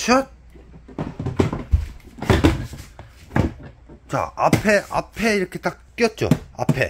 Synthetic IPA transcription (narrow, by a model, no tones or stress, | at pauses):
t͡ɕʰʌt̚ | t͡ɕa̰apʰeʔa̰pʰe̞iɾʌkʰe̞t̪͈akk͈jʌt̚t͡ɕ͈o̰a̰pʰḛ